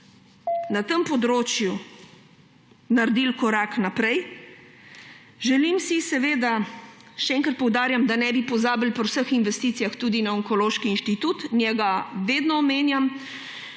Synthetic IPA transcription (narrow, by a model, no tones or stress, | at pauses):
nat̪əmpɔd̪ɾoːt͡ʃju | naɾd̪ilkɔɾaːknapɾɛj | ʒɛlimsisɛʋeːd̪aʃɛɛːŋkɾat̪̚pɔwd̪aːɾjamd̪anɛbipɔzaːbilpɔwsəxinʋɛst̪iːt̪sijaxt̪ud̪inaɔŋkɔloːʃkiːnʃt̪it̪ut̪nʲjɛɡaʋeːd̪nɔːmeːnjam